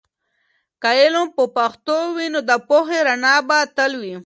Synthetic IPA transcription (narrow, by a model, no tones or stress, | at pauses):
kaelompəpaxt̪owinod̪əpoxeɾanɑbat̪əlwi